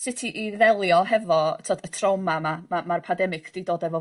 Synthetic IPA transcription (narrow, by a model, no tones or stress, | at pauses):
sɪtʰiʔiðɛlˠjɔɦɛvɔtʰɔdətʰrawmamamamarpʰandɛmɪɡ̥ʰd̥idoːdɛvɔ